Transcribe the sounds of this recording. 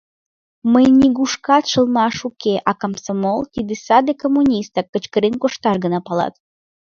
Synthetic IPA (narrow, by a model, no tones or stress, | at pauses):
məjnʲiɡuʃkɑt̪ʃəlˠmɑʃukeʔɑkamsomolt̪id̪esɑd̪ekomːunʲist̪ɑkːə̆t͡ɕkəɾenkoʃt̪ɑʃɡənɑpɑlɑ̰t̪